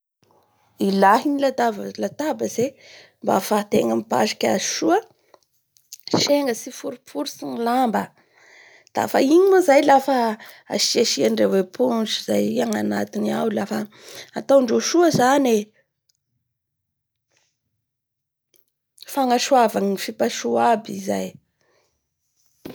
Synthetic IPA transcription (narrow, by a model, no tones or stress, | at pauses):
ilaɦinilat̪avalat̪abəzemba̰fat̪eŋamipa̰ʃḁkʲaziʃuə | ʃeŋɡəsifuɾupuɾusinilambə | d̪̥a̰fa̰iɲimuzajlafə | a̰ʃeʃiaɳɖ͡ʐewepʰunʈ͡ʂizajiaŋanat̪inawlafə | at̪awɳɖ͡ʐoʃuəzane | faŋaʃuavaŋifipaʃuabizaj